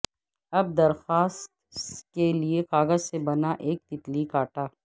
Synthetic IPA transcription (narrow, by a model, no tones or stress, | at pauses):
ɐb̚d̪ɐɾxaːst̪keliekaːɣəzsebɐnaʔeːk̚t̪ɪt̪likaːʈaː